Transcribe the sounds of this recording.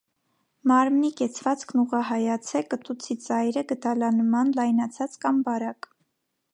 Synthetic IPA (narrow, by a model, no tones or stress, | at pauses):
mɑɾmnikɛt͡sʰvɑt͡skʰnuʁɑɦɑjɑt͡sʰɛkət̪ut͡sʰit͡sɑjɾəɡət̪ɑlɑnmɑnlɑjnɑt͡sʰɑt͡skɑmbɑɾɑk